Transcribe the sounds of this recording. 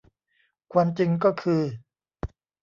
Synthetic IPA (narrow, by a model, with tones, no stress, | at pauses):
kʰwaː˧mt͡ɕi˧ŋk̬ɔː˥˩kʰɯː˧